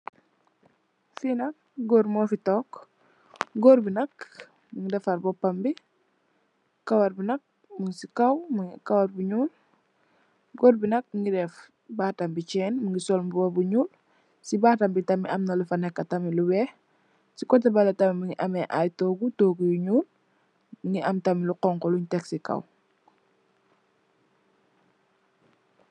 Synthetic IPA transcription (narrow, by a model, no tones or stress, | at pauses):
finɐk̚ɡoːɾmoːfitɔːk | ɡoɾbinɐk | miŋidɛfaɾbopːambi | kawaɾbinɐk̚ | muŋsikawmuŋikawaɾbuɲuːl | ɡoːɾbinɐk̚mŋidɛf | baːtambit͡ʃɛːnməŋɡisɔlmbubobuɲuːl | sibaːtambitɐmiʔɐmnɐlufɐnɛkːɐtɐmiluwɛh | sikɔt̬ːɛbalɐtamiməŋiʔɐmɛʔajtoɡutoːɡujuɲuːl | məŋiʔamtamiluqɔŋkɔluɲtɛksika̰w